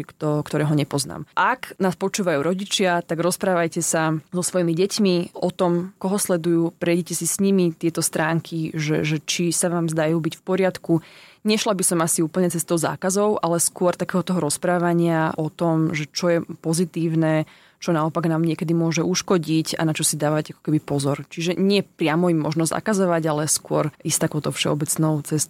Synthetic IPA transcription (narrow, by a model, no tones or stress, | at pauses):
kt̪ɔkt̪ɔɾɛːɦɔɲɛpɔzna̰ːmʔaknaːspɔt͡ʃuːʋajuːɾɔɟit͡ʃɪat̪aɡɾɔspɾaːʋajcɛsazɔsʋɔjimiɟɛcmiʔɔt̪ɔmkɔɦɔslɛd̪ujuːpɾɛjɟɛcɛsisɲimit̪ɪɛt̪ɔst̪ɾaːŋkʰiʒɛ̰ʒɛt͡ʃisaʋaːmzd̪ajuːbicfpɔɾɪat̪kuɲɛʃlabisɔmasiuːpl̩ɲɛt͡sɛst̪ɔʊza̰ːkazɔʊʔalɛskʊɔɾt̪akɛːɦɔt̪ɔɦɔɾɔspɾaːʋaɲɪaʔɔt̪ɔmʒɛt͡ʃɔjɛpɔzit̪iːʊnɛ | t͡ʃɔnaɔpaɡnaːmɲɪɛkɛd̪imʊɔʒɛuʃkɔɟica̰nat͡ʃɔsid̪aːʋaɟakɔ̥kɛbipɔzɔɾt͡ʃiʒɛɲɪɛpɾɪamɔimːɔʒnɔza̰kazɔʋaɟalɛskʊɔɾist̪akɔʊt̪ɔfʃɛ̰ɔbɛt͡snɔʊt͡sɛst̪